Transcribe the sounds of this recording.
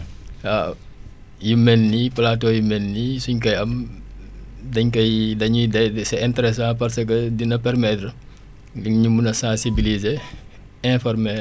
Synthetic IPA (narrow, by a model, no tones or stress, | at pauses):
a | jumɛnːiplatɔjumɛnːisuɲkɐjɐm | dɐɲkɐjdɐɲudɐsɛɛ̃ntɛɾɛs̬ãːpɐrsəkədinɐpɛrmɛtɾə | ɡiŋɲumunɐsãːsibilize | ɛ̃fɔrmɛ